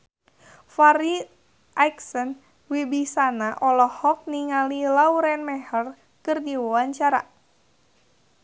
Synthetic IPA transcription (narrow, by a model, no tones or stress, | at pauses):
faɾi | ʔajksən | wibisanaʔɔlɔhɔk̚niŋalilauɾɛnmɛhər | kɨrdiwawaɲt͡ʃaɾa̰